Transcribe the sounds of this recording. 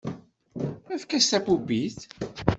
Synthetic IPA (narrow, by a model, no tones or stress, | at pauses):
æθkːæst̪æpubiθ